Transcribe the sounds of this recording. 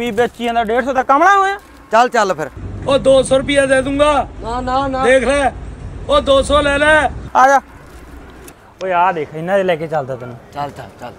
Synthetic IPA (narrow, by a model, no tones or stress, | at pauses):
ʋiːbet͡ʃiːãːd̪aːɖeːɖsɔːd̪aːkəmɽaːɦoːjãː | t͡ʃəlt͡ʃəlpʰɪɾoːd̪oːsɔːɾʊpɪjaːd̪eːd̪ũːŋɡaːnad̪eːkʰleːoːd̪oːsɔːlɛːlɛːaːd͡ʒaː | oːaːd̪eːkʰːɪnãːd̪eːlɛːkeːt͡ʃəld̪aːt̪ənũːt͡ʃəlt͡ʃət͡ʃəl